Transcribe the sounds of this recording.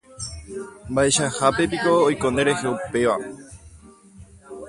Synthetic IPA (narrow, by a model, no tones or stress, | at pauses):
mbae̞ʃahape̞p̬iko̞ːjkõneɾe̞heupe̞ʋa̰